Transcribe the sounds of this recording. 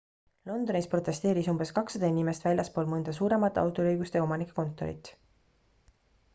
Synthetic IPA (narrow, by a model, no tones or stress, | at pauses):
lo̞nd̪o̞nispro̞t̪ːˑe̞st̪e̞ːɾisumb̥e̞skɑksɑd̪̥ɑinime̞st̪vælʲjɑspo̞ːlmɤnd̪̥ɑs̬uːɾe̞mɑt̪ːˑeɑ̰wt̪ˑolɤjɡust̪eo̞mɑnikːˑe̥ko̞nt̪ːˑo̞̰ɾḭt̪ˑ